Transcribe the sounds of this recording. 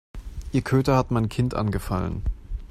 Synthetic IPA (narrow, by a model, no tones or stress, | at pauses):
ʔiːɐkʰøːtɐhatmaɪnkʰɪntʔa̰nɡəfa̰lə̰n